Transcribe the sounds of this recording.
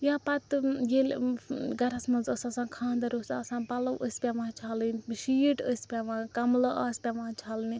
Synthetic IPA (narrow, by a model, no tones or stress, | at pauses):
jaːpɐt̪jelʲɡɐɾɐsmɐnzəsɐsãːkʰãːnd̪ɐɾosʲɐsãːpɐlɐwʔəsʲpʲaʋãːt͡ʃʰaːlɨnʃiːʈəsʲpʲaʋãːkɐmlɐʔaːsʲpʲaʋãːt͡ʃʰaːlni